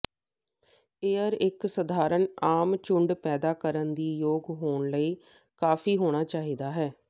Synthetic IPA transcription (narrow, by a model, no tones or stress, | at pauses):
eːəɾɪksəd̪ʱaːɾənaːmt͡ʃʊɳɖpɛːd̪aːkəɾənd̪iːjoːɡɦoːɳləiː | kaːfiːɦoːɽ̃aːt͡ʃaːɦiːd̪aːɦɛː